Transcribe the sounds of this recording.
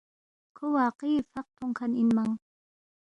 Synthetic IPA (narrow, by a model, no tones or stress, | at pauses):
kʰowaːqiːfaq̚t̪ʰʊŋkʰaninmaŋ